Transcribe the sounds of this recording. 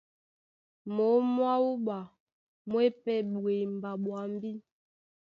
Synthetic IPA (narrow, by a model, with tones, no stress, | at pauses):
mo˨˦mwa˦u˦ɓa˨ | mwɛ˦pɛ˦ɓwe˨m˨ba˨ɓwa˨m˦bi˦